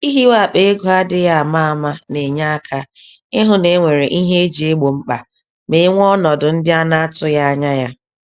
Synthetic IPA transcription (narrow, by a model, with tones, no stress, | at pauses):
i˦ɦi˦wa˦˨k͡pe˦e˦ɡʊ˦a˦dɪ˦ja˦a˨ma˦a˨ma˦ne˨ɲa˦a˦kʰa˦ | ɪ˦ɦʊ˦ne˨˦ŋʷe˨ɾe˨ʔi˦ɦe˦e˦d͡ʒi˨e˦ɡ͡bo˨ŋ͡m̩˦k͡pa˨ | me˨˦ŋʷ˦ɔ˦nɔ˨dʊ˨n̩˦dɪ˦a˦na˦a˦tʊ˦ja˦a˦ɲa˦ja˦